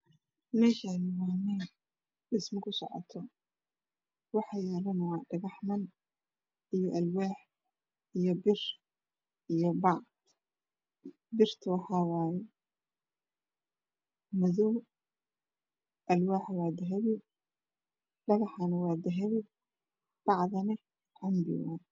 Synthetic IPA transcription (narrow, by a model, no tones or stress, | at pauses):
mɛːʃanɪwaːmɛn | ɖɪsmɪkʰʊsɔ̰ʕɔ̰t̪ʰɔ | wɑħɑjaːlɐnɐwɑːɖɐɣɑħmɐn | ijɔʔɐlwaːħ | ijɔbɪr | ʔijɔbɑd̪ | bɪrt̪ʰɐwɑħɑːwɑːjɛ | mʊðɔw | ʔɐlwaːħwaːd̪ɐɦɛβɪ | ɖɐɣɐħanɐwɑːd̪ɐɦɛβɪ | b̥ɑʕðɐnɪ | ʕʊmb̪ɪ̰wa̰ː